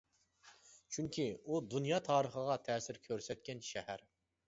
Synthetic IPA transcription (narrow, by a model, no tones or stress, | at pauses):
t͡ʃʰyŋkʲʰiud̪unjɑːt̪ʰɑːɾəχəʁɑt̪ʰɛːsɪɾkʲʰøɾsɛt̪̚kʲɛnʃɛhæɾ